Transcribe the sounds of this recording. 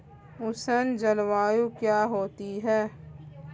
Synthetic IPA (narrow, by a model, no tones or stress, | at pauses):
ʊsənd͡ʒəlʋaːjukjaːɦoːt̪iɦɛː